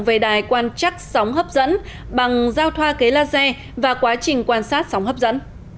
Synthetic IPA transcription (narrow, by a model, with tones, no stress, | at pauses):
ŋve˨˩ɗaː˨˩jkwaː˧nt͡ɕa˦˥k̚sa˨˦wŋ͡mɦəː˦˥p̚zə̰˧˥n | ɓa˨˩ŋzaː˧wt̪ʰwaː˧ke˨˦laː˧sɛ˧ | vaː˨˩kwaː˨˦t͡ɕï˨˩ŋ̟kwaː˧nsaː˦˥t̚sa˨˦wŋ͡mɦəː˦˥p̚zə̰˧˥n